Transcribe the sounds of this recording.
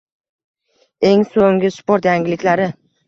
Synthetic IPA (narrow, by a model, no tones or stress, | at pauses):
e̞ŋsoŋɡʲɪspoɾt̪jaŋʲɪlɪkʲlaɾɪ